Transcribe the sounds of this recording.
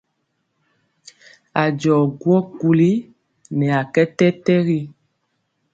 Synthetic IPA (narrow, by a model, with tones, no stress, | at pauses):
a˨d͡ʒɔ˨ɡwɔ˦ku˨li˦ | nɛ˨a˨kɛ˦tɛ˦tɛ˦ɣi˦